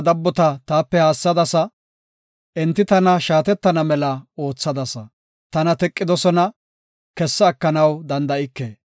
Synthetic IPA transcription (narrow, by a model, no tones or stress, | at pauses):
d̪ɐbːɔt̪ɐt̪aːpːɛhaːsːɐd̪ɐsɐ | ʔɛnt̪ːɪt̪ɐnɐʃaːt̪ɛt̪ːɐnɐmɛlɐo̞ːt͡sːɐd̪ɐsɐ | t̪ɐnɐt̪ɛkʼːɪd̪ɔsɔnɐ | kɛsːɐːkːɐnɐwd̪ɐnd̪ɐɪkːeː